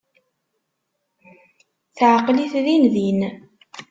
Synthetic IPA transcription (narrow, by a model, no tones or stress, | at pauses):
θʕəqliθðinðin